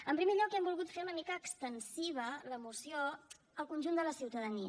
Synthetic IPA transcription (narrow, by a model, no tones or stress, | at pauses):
əmpɾimeʎɔkɛmbulˠɣut̪feɾunəmikəːkst̪ənsiβ̞ələmusio | əlˠkunʲʒund̪ələsiwt̪əðəni